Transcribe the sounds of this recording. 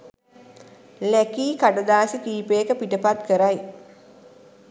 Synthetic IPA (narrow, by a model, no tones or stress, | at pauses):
lækiːkaʈəd̪aːsikiːpekəpiʈəpat̪kəɾaj